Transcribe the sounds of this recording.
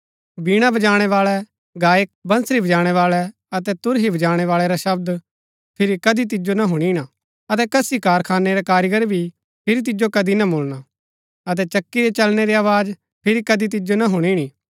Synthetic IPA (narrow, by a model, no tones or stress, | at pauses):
biːɽ̃abɐd͡ʒaːɽ̃ɛʋaːɭɛ | ɡaːjək̚bɐ̃nsɾibɐd͡ʒaːɽ̃ɛʋaːɭɛ | ɐt̪ɛt̪ʊɾɦibɐd͡ʒaːɽ̃ɛʋaːɭɛɾaʃɐb̚d̪ | pʰɪɾikɐd̪it̪̬ɪd͡ʒonɐɦʊɽ̃iɽ̃a | ɐt̪̬ɛkɐsikaːɾkʰaːnːeɾɛkaːɾɪɡəɾbʱi | pʰɪɾit̪̬ɪd͡ʒokɐd̪inɐboːlna | ɐt̪̬ɛt͡ʃɐkːiɾɛt͡ʃɐlneɾiaːʋaːd͡ʒ | pʰɪɾikɐd̪it̪̬ɪd͡ʒonɐɦʊɽ̃iɽ̃i